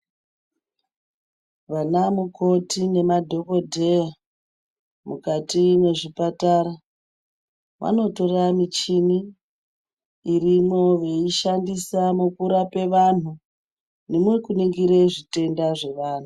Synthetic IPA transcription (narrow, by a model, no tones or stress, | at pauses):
ʋanamuko̞tine̞madʱo̞ko̞dʱe̞ja | mukatine̞ʐipataɾa | ʋʔa̰no̞to̞ramit͡ʃini | rimo̞ʋe̞iʃandisamukuɾape̞ʋan̤u | nemwe̞kuniŋɡiɾe̞ʐite̞ndaʐe̞ʋaːn̤u